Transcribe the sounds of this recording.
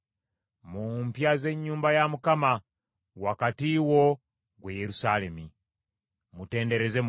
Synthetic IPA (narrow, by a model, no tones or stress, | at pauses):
mumpjaze̞ɲːuːmbajamukama | wakatiwo̞ | ɡwejeɾusale̞mi | mute̞ːnde̞ɾe̞ze